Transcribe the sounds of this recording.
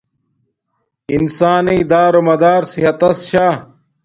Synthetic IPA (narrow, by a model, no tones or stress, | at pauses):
insaːnid̪aːɾomɐd̪aːɾsiɦɐt̪ɐsɕʰaː